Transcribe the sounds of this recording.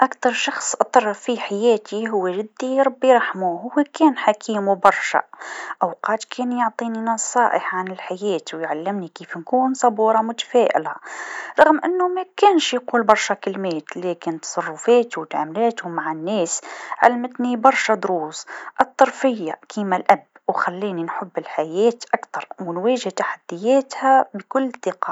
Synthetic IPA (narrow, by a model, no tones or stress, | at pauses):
ʔakt̪ɑɾˤʃɑxsˤʔt̪ˤːɑɾˤfiħajæːt̪iɦʊwːeʒɪd̪ːiɾˤɑbːiɾˤɑħmuɦʊwːekæːnħakʰiːmwbɑɾˤʃa̰ʔawqɑːt̪kʰæːnjʊʕt̪ˤiːninɑsˤɑːʔəħʕanɪlħajæːt̪wjʕalːɪmnikiːfnkuːnsˤɑbuːɾˤɑmʊt̪ḁfæːʔɪ̰laɾˤɑɣmʔɪnːʊmækænʃjquːlbɑɾˤʃakɪlmeːt̪læːkɪnt̪sˤɑrˤːʊfeːt̪wɪt̪ʕamlɛːt̪hʊmːaʕanːæːsʕa̰lmɪt̪nibɑɾˤʃad̪ɾuːsʔɨt̪ˤːɑɾˤfɪjːakʰimælʔab | wxælːiːninħʊbːɪlħajæːt̪ʔakt̪ɑɾˤwɪnwæːʒɪht̪aħad̪̥ːɪjːæːt̪hæbkʊlːt̪ːɪqɑ